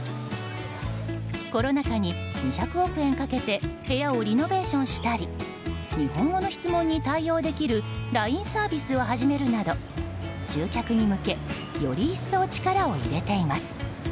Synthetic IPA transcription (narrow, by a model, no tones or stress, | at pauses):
ko̞ɾo̞nakaɲ̟iɲiçakɯ̟o̞kɯ̟ẽ̞ŋkake̞t̪e̞he̞jao̞ɾʲino̞be̞ːɕõ̞ɰ̃ɕi̥t̪aɾʲi | ɲ̟ihõ̞ŋɡo̞no̞çi̥t͡sɨmõ̞ɲ̟ːit̪aijo̞ːd̪e̞kʲiɾɯ̟ɾaĩɰ̃saːbʲisɨoɦaʑime̞ɾɯ̟nad̪o̞ | ɕɨːkʲakɯ̟ɲ̟imɯ̟ke̞ | jo̞̰ɾʲiːsːo̞ːt͡ɕi̥kaɾao̞ḭɾe̞t̪e̞imasɨ̥